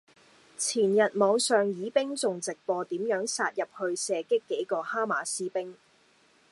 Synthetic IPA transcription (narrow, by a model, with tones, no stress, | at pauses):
t͡sʰiː˨˩njɐ˨t̚mɔː˨˧ŋsœː˨˩ŋjiː˨˥pɪ˥ŋt͡sʊ˨ŋt͡sɪ˨k̚pɔː˧t̪iː˨˥mjœː˨˥ŋsaː˧t̚jɐ˨p̚hɵ˧ɥsɛː˧kɪ˥kːe˨˥jkɔː˧haː˥maː˨˥siː˥pɪ˥ŋ